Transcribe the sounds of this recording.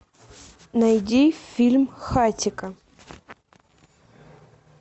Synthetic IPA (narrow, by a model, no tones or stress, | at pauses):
nɐjdʲifʲilʲmxatʲɪkə